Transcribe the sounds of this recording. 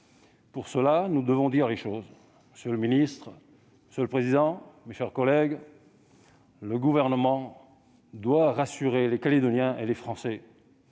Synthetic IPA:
puʁsəlanud̪əvɔ̃d̪iʁleʃoz | məsjøləminist̪χ | məsjələpχezid̪ɑ̃meʃɛʁkɔlɛɡ | ləɡuvɛʁnəmɑ̃ | d̪waʁasyʁelekaled̪ɔnjɛ̃ʔelefχɑ̃sɛ

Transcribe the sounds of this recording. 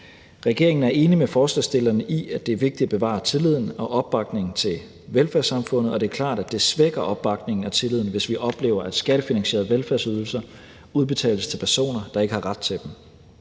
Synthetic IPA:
ʁɛɡ̥e̝ɐe̝ŋn̩æɐe̝ːnimefɒːslɛsd̥e̝lɐnəʔiæd̥e̝æɐʋe̝ɡ̥̚d̥id̥æb̥e̝ʋɑ̰̈ːt͡sʰe̝lið̰ˠn̩ɒ̽ʔɒ̽b̥ːɑ̈ɡ̥ne̝ŋn̩t͡sʰe̝l | ʋelfæɐsɑ̈mfɔ̽n̰ð̩ˠɒ̽d̥e̝ɐkʰlɑ̰̈ːd̥æd̥e̝sʋeɡ̥ɐʔɒ̽b̥ːɑ̈ɡ̥ne̝ŋn̩æt͡sʰe̝lið̰ˠn̩ʋe̝sʋiʔɒ̽b̥le̝̰ːʊɐʔæd̥sɡ̥æɾ̥əfinæŋɕe̝ːɐð̩ˠʋelfæɐsyð̞ˠl̩sɐ | uð̞ˠb̥e̝t͡sʰɛ̰ːləst͡sʰe̝lpʰæɐso̝̰ːnɐd̥ɑ̈e̝ɡ̥əhɑ̈ʁɑ̈d̥̚t͡sʰe̝d̥em

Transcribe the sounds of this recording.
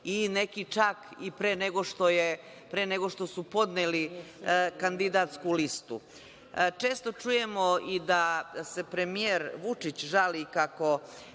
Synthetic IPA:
ine̞kit͡ʂakipɾeːneɡo̞ʃt̪oje | pɾeːneɡo̞ʃt̪o̞supo̞d̪neli | kand̪id̪at̪skulist̪ṵ | t͡ʃe̞ːst̪o̞t͡ʃuje̞mo̞id̪ase̞pɾe̞mijeɾʋut͡ʂit͡ɕʒalikako̞

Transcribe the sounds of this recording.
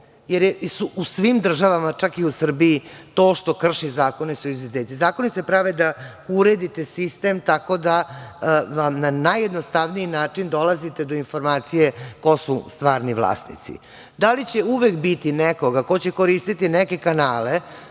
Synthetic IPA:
jeɾjesuʔusʋimd̪r̩ʒaʋamat͡ʂakiusr̩biit̪o̞ːʃt̪o̞kr̩ʃizaːko̞nesuizʋezeːt̪izaːko̞nisepɾaʋed̪a | uɾed̪it̪esist̪emt̪ako̞d̪a | amnanajed̪nost̪aʋniinaːt͡ʂind̪o̞lazit̪e̞d̪o̞info̞ɾmaːt̪sijeko̞sust̪ʋaːɾniʋlˠa̰ːsnḭt̪sḭ | d̪alit͡ɕeuʋekbit̪ineko̞ɡakot͡ɕeko̞ɾist̪it̪inɛke̞kanaːle

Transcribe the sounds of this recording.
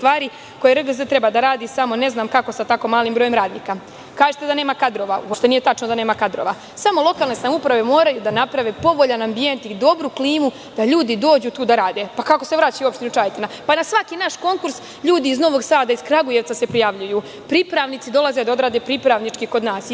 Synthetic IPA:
t̪ʋaːɾi | ko̞jeɾɡzet̪ɾe̞bad̪aɾaːd̪isamo̞ne̞znaːmkako̞sat̪ako̞maːlimbɾo̞ːje̞mɾaːd̪nḭːka | kaːʒet̪e̞d̪ane̞ːmakad̪ɾo̞ʋaṵopʃt̪enije̞t̪at͡ʃnod̪ane̞ːmakad̪ɾo̞̰ʋa | samo̞lˠo̞kaːlˠne̞samupɾaʋe̞mo̞ːɾajud̪anapɾaʋepo̞ʋo̞ʎanambije̞nt̪id̪obɾukliːmu | d̪̥aʎuːd̪id̪o̞ːd͡ʑuːt̪uːd̪aɾaːd̪e̞pakako̞se̞ʋɾaːt͡ɕajuo̞pʃt̪inut͡ʃajt̪enapanasʋakinaʃko̞ŋkuɾs | ʎuːd̪iːzno̞ʋo̞ɡsaːd̪aiz̥kɾaɡuje̞ʋt̪sase̞pɾijaʋʎuju | pɾipɾaʋnit̪sid̪o̞lˠazed̪ao̞d̪ɾaːd̪e̞pɾipɾaʋnit͡ʃkiko̞d̪naːs

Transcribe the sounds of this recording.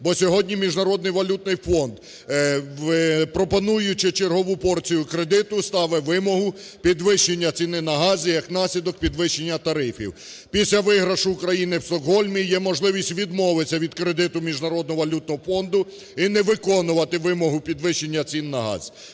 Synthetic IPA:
bɔsʲɔɦɔdʲnʲimʲiʒnɐɾɔd̪nɪjʋɐlʲut̪̚nɪjfɔnd̪ | ʋɪpɾɔpɔnujʊt͡ʃɪt͡ʃerɦɔʋupɔrt͡sʲijʊkɾed̪ɪt̪ʊst̪ɑʋɛʋɪmɔɦʊ | pʲid̪ʋɪʃenʲːɐt͡sʲinɪnɐɦɑzʲijɐknɑsʲlʲid̪ɔk̚pʲid̪ʋɪʃenʲːɐt̪ɐɾɪfʲḭw | pʲisʲlʲɐʋɪɦɾɐʃʊːkɾɐjinɪwst̪ɔkɦɔlʲmʲijɛmɔʒlˠɪʋʲisʲtʲʋʲid̪mɔʋɪsʲɐʋʲid̪kɾed̪ɪt̪ʊmʲiʒnɐɾɔd̪nɔɦɔʋɐlʲut̪̚nɔɦɔfɔnd̪ʊ | inɛʋɪkɔnʊʋɐt̪ɪʋɪmɔɦʊpʲid̪ʋɪʃːenʲːɐt͡sʲinːɐɦɑ̰zʲ

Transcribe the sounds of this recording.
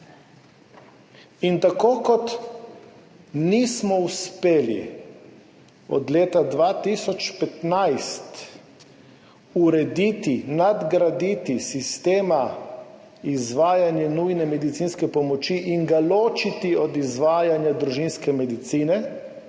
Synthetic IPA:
int̪akoːkɔt̪ | nismɔuspeːlḭ | ɔ̰d̪leːt̪ad̪ʋaːt̪isɔt͡ʃpɛt̪najst̪ | uɾɛd̪it̪inad̪ɡɾad̪it̪isist̪eːma | izʋaːjanjɛnujnɛmɛd̪it̪sinskɛpɔmɔt͡ʃiʔiŋɡaloːt͡ʃit̪iɔd̪izʋaːjanjad̪ɾuʒinskɛmɛd̪it̪siːnɛ

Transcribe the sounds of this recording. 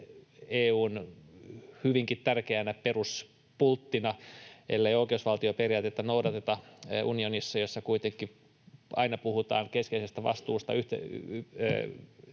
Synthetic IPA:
eːuːn | hyʋiŋkit̪t̪ærkeænæperus | pult̪ːinɑelːeioikeusʋɑlt̪ioperiɑːt̪et̪ːænoudɑt̪et̪ɑʔunionisːɑjosːɑkuit̪eŋkːˑi | ɑinɑpuhut̪ɑːŋkeskeisest̪æʋɑ̰st̪uːst̪ɑ̰yht̪æ̰ː

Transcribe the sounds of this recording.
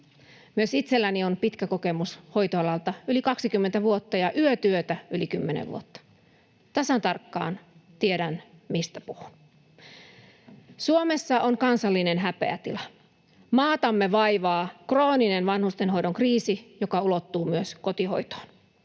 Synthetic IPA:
myøsit̪selːænionpit̪kæko̞kemusho̞jt̪oɑlɑlt̪ɑylikɑksikymːent̪æʋuot̪ːɑjɑʔyøt̪yøt̪æylikymːenḛʋʋṵot̪ːɑ̥ | t̪ɑsɑnt̪ɑrkːɑ̰ːnt̪ieɾænmist̪æpuhun | suome̞sːɑʔoŋkɑnsɑlːinenɦæpḛæ̰t̪ilɑ | mɑːt̪ɑmːeʋɑiʋɑːkro̞ːninenʋɑnhust̪enɦo̞idoŋkriːsijokɑulot̪ːuːmyøskot̪iho̞̰jt̪o̥ːn

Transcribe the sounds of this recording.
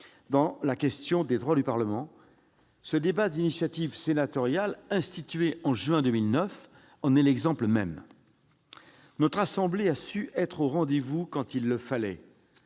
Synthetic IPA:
d̪ɑ̃lakʲɛst̪jɔ̃d̪ed̪ʁwad̪ypaʁləmɑ̃ | səd̪ebad̪inisjat̪ivsenat̪ɔʁjalɛ̃st̪it̪ɥeɑ̃ʒɥɛ̃d̪əmilnœf | ɑ̃nɛlɛɡzɑ̃pləmɛ̰m | nɔt̪χasɑ̃bleasyʔɛt̪χoʁɑ̃d̪evukɑ̃t̪ilːəfalɛ

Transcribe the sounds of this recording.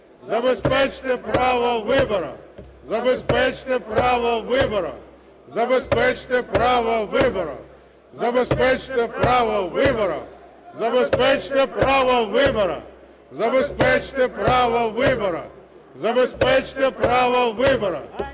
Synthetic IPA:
zɐbɛspɛt͡ʃt̪epɾaʋɐʋɪbɐɾɐ̰ | zɐbɛspɛt͡ʃt̪epɾaʋɐʋɪbɐɾɐ̰ | zɐbɛspɛt͡ʃt̪epɾaʋɐʋɪbɐɾɐ̰ | zɐbɛspɛt͡ʃt̪epɾaʋɐʋɪbɐɾɐ̰ | zɐbɛspɛt͡ʃt̪epɾaʋɐʋɪbɐɾɐ̰ | zɐbɛspɛt͡ʃt̪epɾaʋɐʋɪbɐɾɐ̰ | zɐbɛspɛt͡ʃt̪epɾaʋɐʋɪbɐɾɐ̰

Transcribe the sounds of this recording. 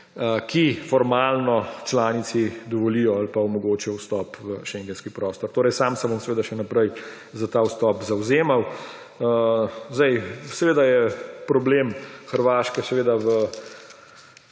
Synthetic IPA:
əkʰifɔɾmalnɔt͡ʃlaːnit̪sid̪ɔʋɔlijɔalpaɔmɔɡoːt͡ʃijɔwst̪ɔːpʋəʃɛŋɡɛnskipɾɔːst̪ɔɾt̪oːɾɛjsamsɛbomsɛʋeːd̪aʃɛnapɾɛj | zat̪aːwst̪ɔpzawzeːmaw | zd̪ɛjsɛʋeːd̪ajɛpɾɔbleːmxəɾʋaːʃkɛsɛʋeːd̪aʋə

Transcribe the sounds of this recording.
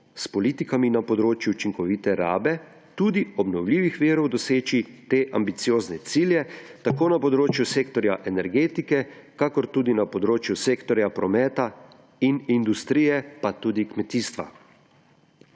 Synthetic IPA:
spɔliːt̪ikaminapɔd̪ɾoːt͡ʃjuːt͡ʃiŋkɔʋit̪ɛɾa̰ːbɛ | t̪uːd̪iɔbnɔwlʲiːʋixʋiːɾɔwd̪ɔseːt͡ʃit̪eːʔa̰mbit̪sijoːznɛt̪siːljɛt̪akoːnapɔd̪ɾoːt͡ʃjuseːkt̪ɔɾjaʔɛnɛɾɡeːt̪ikɛ | kakɔɾt̪uːd̪inapɔd̪ɾoːt͡ʃjuseːkt̪ɔɾjapɾɔmɛːt̪a | inind̪ust̪ɾiːjɛpat̪uːd̪ikmɛt̪iːst̪ʋa̰

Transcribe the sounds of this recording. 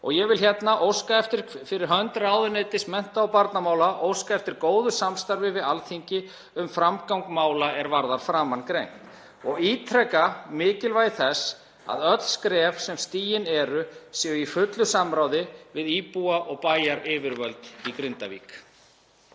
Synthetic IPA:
ɔ̰ɣjɛɣvɪlçjɛt̪naʔowskaɛft̪ɪɾ̥fɪɾɪɾ̥ɦœnt̪ɾaːwðʏnet̪ɪsmɛn̥t̪aːwpaɾt̪namaːwlaʔowskaɛft̪ɪɾkoːwðʏsamst̪aɾvɪvɪðalθiɲcɪ | ʏmfɾamkawŋkmaːwlaɛɾvaɾðaɾ̥fɾaːmankɾejŋ̥t̪ | ɔɣiːt̪ʰɾɛkamɪːcɪlvajθɛs | a̰ðœt̪l̥skɾɛvsɛmst̪iːjɪnɛɾʏsjɛʏifʏt̪lʏsamɾaːwðɪvɪðiːpuaʔɔɣpaːjaɾɪːvɪɾvœlt̪ikɾʏnt̪avḭːk

